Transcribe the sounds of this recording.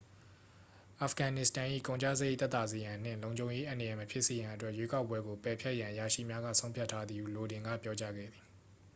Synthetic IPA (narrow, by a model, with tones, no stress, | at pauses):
ʔa˨fɡ̥ã˨nɪ˦˨stã˨ʔḭ˦˨kõ˨ʊ̃ɲt͡ɕa̰˦˨ze˦t̪ɛ˦t̪a˨ze˨jã˨n̥ɪ̰̃˦˨lõ˨ʊ̃ɲd͡ʑõ˨ʊ̃je˦ʔã˨nə˨jɛ˨məpʰjɪ˦ʔse˨jã˨ʔətwɛ˦ʔjwe˦ka˦ʊpːwɛ˦ɡo˨pɛ˨pʰjɛ˦ʔjã˨ʔja˨ʃḭ˦˨mja˦ɡa̰˦˨sʰõ˦ʊ̃mpʰja˦tʰːa˦d̪ði˨u˨lo˨dɪ̃˨ŋɡä̰˦˨pjɔ˦t͡ɕa̰˦ɡɛ̰˦˨d̪ði˨